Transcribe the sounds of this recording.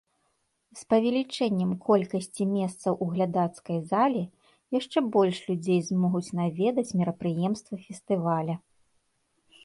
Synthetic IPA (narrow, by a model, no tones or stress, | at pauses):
spɐvʲɛlʲit͡ʂɛnʲːɛmkʰɔlʲkɐsʲt͡sʲimʲɛst̪sɐwʔuɣlʲad̪at̪skɐjzalʲi | jaʂt͡ʂɛbɔlʲʂlʲud͡zʲejzmɔɣut͡sʲnavʲɛd̪ɐt͡sʲmʲiɾɐpɾɨjɛmst̪vɐfʲɛst̪ɨvalʲɐ